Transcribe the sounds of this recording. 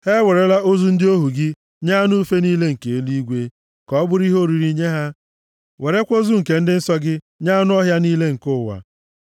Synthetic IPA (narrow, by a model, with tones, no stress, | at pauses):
he˦we˨ɾe˦la˦o˦zu˦n̩˦dɪ˦o˦ɦu˨ɡɪ˦ | ɲa˦nu˦u˦fe˦niː˦le˦ŋ̩˨ke˨e˦li˦ɡʷe˦ | kɔ˦bʊ˦ɾi˦ɦo˦˨ɾi˨ɾi˦ɲe˦ɦa˦ | we˨ɾe˦kʷo˦zu˦ŋ̩˨ke˨n̩˦dɪ˦n̩˦sɔ˦ɡɪ˦ | ɲa˦nʊ˦ɔ˦ɦja˦niː˦le˦ŋ̩˨kʊ˦˨wa̰˨